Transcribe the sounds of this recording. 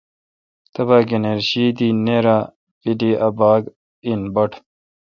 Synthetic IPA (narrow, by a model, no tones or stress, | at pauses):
t̪ɐbaːɡeneɾɕiːd̪iːneɾaː | pidiʔɐbaːɡ | inbɐʈʰ